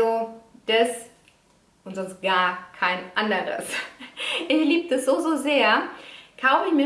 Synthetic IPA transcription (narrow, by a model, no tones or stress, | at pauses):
od̥ɛs | ʔʊntz̥ɔnst̚ɡ̥aːɐkʰaɪnʔandəʁə̰s | ʔɪçliːb̚dəsz̥oːzoːzeːɐkʰaʊfɪçmi